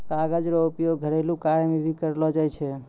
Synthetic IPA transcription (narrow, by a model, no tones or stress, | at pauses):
t̪aɡəd͡ʒɾoʊpjoɡɡʱəɾelũkaɾemẽbʱikəɾlod͡ʒajt͡ʃʰe